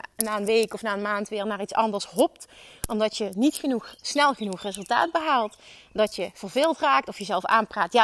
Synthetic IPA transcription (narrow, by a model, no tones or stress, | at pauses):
naːənʋejkɔfnaːənmaːntʋɪːɹnaːɹitsɑndəɹsɦɔp̚tɔmdɑtjənitxənuxsnɛlˠɣənuxrɪzɵlˠta̰ːd̚bəɦalˠt | dɑtjəv̥əɹvɪːlˠtraːk̚tɔfjəzɛlˠfa̰ːnpraːtja